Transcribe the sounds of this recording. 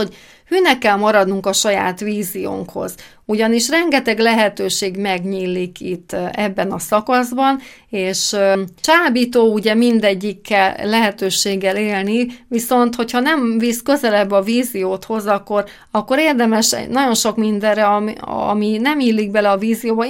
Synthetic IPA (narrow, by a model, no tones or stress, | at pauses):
oɟ | hyːnɛkːɛlmɒɾɒd̪nuŋkɒʃɒja̰ːt̪ʋiːzijo̰ːŋkho̞̰z | uɟɒniʃrɛŋɡɛt̪ɛɡlɛɦɛt̪øːʃeːɡmɛɡɲiːlːikit̪ːɛbːɛnɒsɒkɒzbɒn | eːʃt͡ʃaːbit̪oːuɟɛmind̪ɛɟːikːɛlːɛɦɛt̪øːʃeːɡːɛleːlniviso̞nt̪ho̞chɒnɛɱviskø̞zɛlɛbːɒviːzijoːt̪ho̞zɒkːo̞r | ɒkːo̞ɾeːrd̪ɛmɛʃɛ̰nɒɟo̞nʃo̞kmind̪ɛrɛɒɒ̰minɛmiːlːiɡ̚bɛlɛɒviːzijoːbɒ